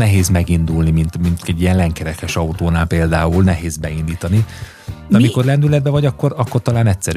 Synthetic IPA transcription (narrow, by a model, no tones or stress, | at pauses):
nɛɦeːzmɛɡind̪ulnimint̪mint̪ɛɟːijɛnlɛŋkɛɾɛkɛʃɒut̪oːnaːlpeːld̪aːulnɛɦeːzbɛind̪iːt̪ɒni | ɒmiko̞rlɛnd̪ylɛd̪̚bɛvɒɟɒkːo̞ɾɒkːo̞rt̪ɒlaːnɛcʲsɛɾ